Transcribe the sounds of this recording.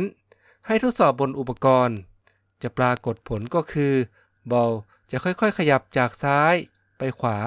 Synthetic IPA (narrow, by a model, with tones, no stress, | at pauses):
n | ha˧˩jt̪ʰuː˧˥t̪sɔː˨˩p̚bo˧nʔu˨˩pːa˧kɔː˧n | t͡ɕa˨˩ʔpɾaː˧ko˨˩t̪̚pʰo˩˦nkɔː˧˩kʰɯː˧ | bɔ˧w | t͡ɕa˨˩kʰɔ˧˥˩jkʰɔ˧˥˩jkʰa˧ja˧˩p̚t͡ɕaː˨˩k̚saː˦˥j | pa˧jkʰwaː˩˦